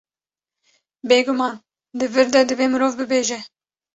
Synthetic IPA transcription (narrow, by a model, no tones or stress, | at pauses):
beːɡʊmɑːn | d̪ɨvɨɾd̪ɛd̪ɨveːmɨɾoːvbɨbeːʒɛ